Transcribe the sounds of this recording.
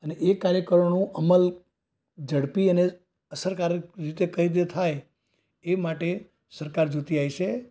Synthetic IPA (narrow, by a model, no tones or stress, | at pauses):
əneʔkːaɾjəkəɾonũʔəməl | d͡ʒəɽpiəne | əsəɾkaɾit̪ekəid̪̬et̪ʰaj | emaʈe | səɾkaɾd͡ʒut̪iajʃʰe